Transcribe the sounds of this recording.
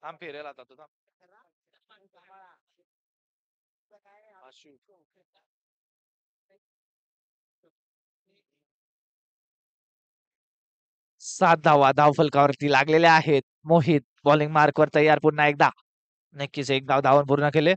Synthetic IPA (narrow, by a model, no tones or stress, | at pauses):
t̪ʰampeɾelat̪at̪ut̪am | aɕu | sat̪̚d̪ʱaʋad̪ʱaʋfəlkaʋəɾt̪iːlaɡleleaɦet̪̚moɦiːt̪̚bɔliŋɡmaɾkʋəɾt̪əjːaɾpuɽnaek̚d̪a | nəkːisek̚d̪aʋd̪ʱaʋənpuɾunakele